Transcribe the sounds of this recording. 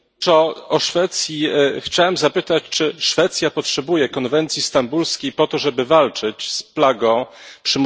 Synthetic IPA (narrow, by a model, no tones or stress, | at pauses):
ɔɔʂfɛt̪sʲjixt͡ɕawɛmzapɘt̪at͡ɕt͡ʂɘʂfɛt̪sʲjapɔtʂɛbujɛkɔnvɛnt̪sʲist̪ambulskʲejpɔt̪ɔʐɛbɘvalt͡ʂɘt͡ɕsplaɡɔ̃pʂɘm